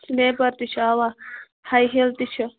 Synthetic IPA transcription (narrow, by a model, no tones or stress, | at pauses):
snepɐɾt̪it͡ʃʰaːwa | hajɦelt̪it͡ʃʰɐ